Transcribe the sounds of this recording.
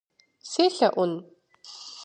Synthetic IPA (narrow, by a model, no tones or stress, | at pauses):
seːɬɐʔʷʊn